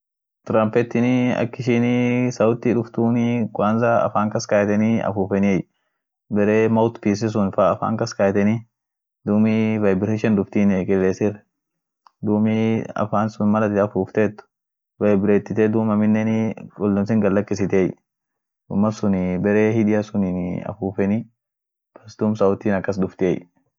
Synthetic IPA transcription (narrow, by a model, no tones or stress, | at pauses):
t̪ɾampɛt̪ːɪnɐ̰kːɪʃɪnɪsɐwʊt̪ːɪᶑʊft̪uːnɪkʊwaːnzaɐ̰faːŋkɐskaːjt̪ɛniɐ̰fuːfɛnij | bɛɾeːmɐwt̪piːs̬ɪs̬ʊnfaɐfa̰ːŋkɐskaːjt̪ɛni | d̪uːmivɐjbɪɾeːʃɛnd̪ʊft̪iːnɛkʼɪlːeːsɪɾ | d̪uːmiɐ̰faːnsʊnmɐlɐt̪ɪɐfuːft̪eːt̪ːʊ̥ | vɐjbɪɾeːt̪ːɪt̪ɛd̪uːmɐmɪnːɛnɪkʊlːɐms̬ɪŋɡɐlːɐkːɪsɪt̪eːj | d̪ʊ̰mːɐsʊnɪbɛɾeːhɪᶑ̪ɪjɐsʊnɪnɐ̰fuːfɛnɪ | bɐsd̪uːmsɐʊt̪ːiːnɐkːɐs̬d̪ʊft̪ɪɛ̰j